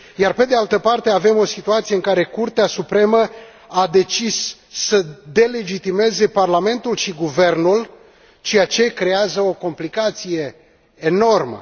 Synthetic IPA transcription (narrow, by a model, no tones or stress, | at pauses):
jarpe̞d̪e̞alt̪əpart̪e̞ave̞mo̞sit̪uat̪sijeɨŋkaɾe̞kurt̪easupɾe̞mə | ad̪e̞t͡ʃisː | əd̪e̞le̞d͡ʒit̪ime̞ze̞parlame̞nt̪ulʃiɡuve̞rnul | t͡ʃe̞jat͡ʃe̞kɾe̞azəo̞ko̞mplikat̪sije̞ː | no̞rmə̰